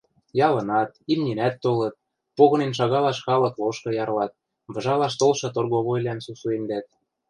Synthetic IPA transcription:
jɑlɤ̆nɑt̪imnʲinæt̪ːolɤ̆t̪̚ | poɣɤ̆nenʃ̬ɑɣɑlɑʃxɑlɤ̆kloʃkɤ̆jɑrlɑt̪̚ | βɤ̆ʒɑlɑʃt̪olʃɤ̆t̪orɣoβojlæmsusuend̪æt̪̚

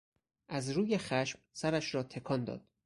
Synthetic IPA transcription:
ʔæzɾuːje̞xæʃmsæɾæʃɾɒːt̪ʰe̞kʰɒːnd̪ɒ̰ːd̪̥̚

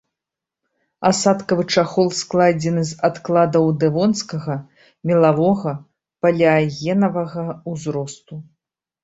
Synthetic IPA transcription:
asat̪kɐvɨt͡ʂaxɔlˠsklˠad͡zʲɛnɨzat̪klˠad̪ɐwd̪ɛvɔnskɐɣɐ | mʲɛlˠavɔɣɐ | pɐlʲɐaɣʲɛnɐvɐɣɐuzɾɔst̪u

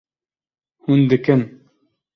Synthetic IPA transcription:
hund̪ɘkɘn

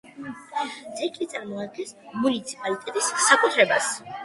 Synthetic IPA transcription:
t̪sʼɛkʼlit̪sʼaɾmɔad̪̚ɡɛnsmunit̪sʰi̥pʼalit̪ʼɛt̪ʼisːakʼut̪ʰɾɛbas

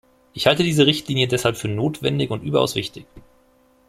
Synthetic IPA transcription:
ʔɪçhaltədiːzəʁ̞ɪçtliːnjədɛshalpfyːɐnoːtv̥ɛndɪçʊntʔy̰ːbɐʔa̰ʊsv̥ɪçtɪç

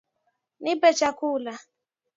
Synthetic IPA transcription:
nɪbet͡ʃakʊla

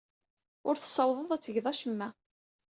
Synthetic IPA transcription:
ʊɾθə̥sˤːɑwðˤəðˤæt͡sːəʝðˤɑʃəmːæ

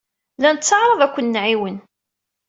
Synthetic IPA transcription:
lænət̪t͡sːɑʕɾˤəðˤækʷːənːʕiwən

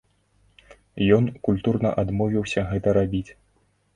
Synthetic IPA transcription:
jɔnkulʲt̪urnɐ̰ʔad̪mɔvʲiwsʲɐɣɛt̪ɐɾabʲit͡sʲ

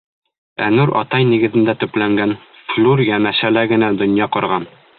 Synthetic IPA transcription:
æ̰nʉɾɒ̰t̪ɑjniɡɘ̆ðɘ̆nd̪æt̪ɵ̆plæŋɡæn | flʲˠuɾjænæɕælæɡɘ̆næd̪ŏnjɑqɒɾʁɑn

